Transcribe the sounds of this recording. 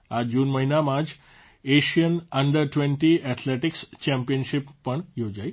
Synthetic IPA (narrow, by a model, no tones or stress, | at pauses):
ad͡ʒunməɦinamãd͡ʒ | eʃijənəɳɖəɾʈʋẽɳʈiɛt̪ʰleʈikst͡ʃɛ̃mpijənʃipːəɳjod͡ʒaj